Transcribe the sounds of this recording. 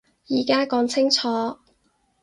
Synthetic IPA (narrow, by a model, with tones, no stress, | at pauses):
jiː˨˩kaː˥kɔː˨˧˥ŋt͡sʰɪ˥ŋt͡sʰɔː˨˥